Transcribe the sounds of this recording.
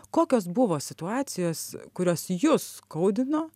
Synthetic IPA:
koːkʲoːsbʊʋoːsʲɪt̪ʊɑːtsʲɪjoːskʊɾʲoːsjʊskɐʊd̪ʲɪnoː

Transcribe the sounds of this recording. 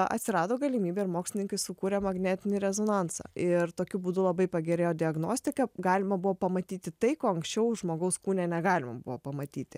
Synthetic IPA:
ɐ̰t̪ʲsʲɪɾɑːd̪oːɡɐlʲimʲiːbʲɛːɪɾmoːksʲlʲɪnʲɪŋkɐɪsʊkuːɾʲɛmɐɡnʲæːt̪ʲɪnʲɪɾʲɛzoːnɑnsɑ̰ɪrt̪oːkʲʊbuːd̪ʊlˠɐbɐɪpɐɡʲɛɾʲeːjoːd̪ʲɪɐɡnoːsʲt̪ʲɪkɐɡɑːlʲɪmɐbʊʋoːpɐmɐt̪ʲiːt̪ʲɪt̪ɐɪkoːɐŋksʲt͡ʃʲɛʊʒmoːɡɐʊskuːnʲɛnʲɛɡɑːlʲɪmɐ̰bʊ̰ʋoːpɐmɐt̪ʲiːt̪ʲɪ

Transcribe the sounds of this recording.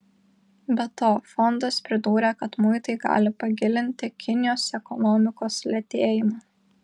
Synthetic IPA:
bʲɛt̪oːfɔnd̪ɐspʲɾʲɪd̪uːɾʲekɐt̪mʊɪt̪ɐɪɡɑ̰ːlʲɪpɐɡʲɪlʲɪnʲt̪ʲɪkʲɪnʲɪjoːsɛkɔnɔmʲɪkoːslʲɛt̪ʲeːjɪmɑː

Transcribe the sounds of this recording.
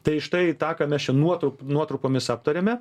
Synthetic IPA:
t̪ɐɪɪʃt̪ɐɪt̪ɑːkɐmʲɛst͡ʃʲɛnuɔt̪ɾʊpnuɔt̪ɾʊpoːmʲɪsɑːp̚t̪ɐɾʲeːmʲɛ

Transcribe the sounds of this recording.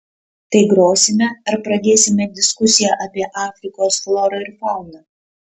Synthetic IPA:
t̪ɐɪɡɾoːsʲɪmʲɛɐɾpɾɐd̪ʲeːsʲɪmʲɛd̪ʲɪskʊsʲɪjɛʔɐpʲiɛʔɑːfʲɾʲɪkoːsflˠɔɾɐɪɾfɐˑʊnɐː

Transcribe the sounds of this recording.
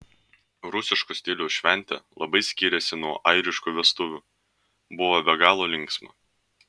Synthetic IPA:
ɾʊsʲɪʃkʊsʲt̪ʲɪlʲuːʃʲʋʲɛnʲt̪ʲɛ̰ːlˠɐbɐɪsʲkʲiːɾʲɛsʲɪnuɔʔɐɪɾʲɪʃkuːʋʲɛst̪ʊʋʲuː | bʊʋobʲɛɡɑːlˠoːlʲɪŋksmɐ̰

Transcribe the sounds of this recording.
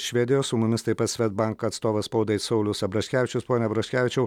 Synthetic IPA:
ʃʲʋʲɛd̪ʲɪjoːsʊmʊmʲɪst̪ɐɪpɐt̪sʲʋʲɛt̪̚bɑŋkɐɐt̪st̪oːʋɐspɐʊd̪ɐɪt̪sɐʊlʲʊsɐbɾɐʃʲkʲæːʋʲɪt͡ʃʲʊspoːnʲɛɐbɾɐʃʲkʲæːʋʲɪt͡ʃʲɛʊ

